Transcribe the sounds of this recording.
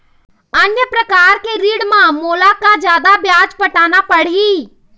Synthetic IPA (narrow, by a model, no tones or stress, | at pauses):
ənjəpɾəkaːɾkeɾiːɽmãmoːlakad͡ʒjaːd̪abjaːd͡ʒpəʈaːnapəɽ̤i